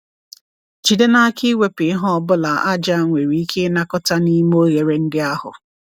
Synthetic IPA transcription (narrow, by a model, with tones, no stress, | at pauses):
t͡ʃi˨de˦na˦ki˦we˨pɪ˨˦ɦɔ˦˨bʊ˦la˨ʔa˦d͡ʒa˦ŋʷe˨ɾi˨˦i˦kʰe˦na˦kɔ˦ta˦ni˦m˦o˦ɣe˨ɾe˨n̩˦dɪ˦a˦hʊ̰˨